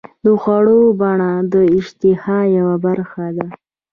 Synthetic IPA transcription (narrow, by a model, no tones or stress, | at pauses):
d̪əxwaɽobaɳad̪əɪʃt̪ɪhɑjawabaɾxad̪a